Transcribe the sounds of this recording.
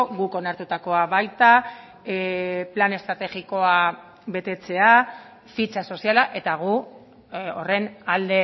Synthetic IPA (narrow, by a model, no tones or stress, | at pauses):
ɣuko̞naɾt̪ut̪ako̞aβajt̪a | plane̞st̪ɾat̪e̞ɣiko̞a | βe̞t̪e̞t͡se̞a | fit͡ʃaso̞sialaʔe̞t̪aɣ̞u | ore̞nald̪e̞